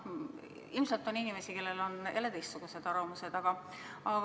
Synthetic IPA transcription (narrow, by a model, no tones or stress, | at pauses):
ilmsɑlt̪ːˑo̞ninime̞sike̞lːelo̞nḛlet̪ejst̪suɡ̥use̞d̪̥ɑɾomuse̞d̪̥ɑɡ̥ɑ | ɑ